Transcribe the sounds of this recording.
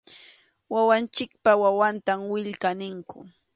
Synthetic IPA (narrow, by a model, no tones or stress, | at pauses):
wawant͡ʃɪk̚pawawant̪amwɪʎkanɪŋkʊ̰